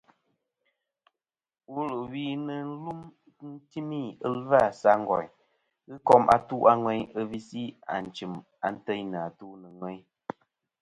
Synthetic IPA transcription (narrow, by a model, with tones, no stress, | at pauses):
wu˦lu˨wi˨˦nɨ˨n̩˦lu˦m˦ | n̩˦ti˦mi˦ə˦lva˦˨sa˦ŋ̩˦ɡɔ̰˨ɲ | ɣɨ˦kɔ˦mʔa̰˦tu˦ʔa˦ŋwɛ˦ɲɨ˦vi˦si˦a̰˨n̩˨t͡ʃi˨m | a˨n̩˦tə˦na˨tu˦nɨ˨ŋwɛ˦ɲ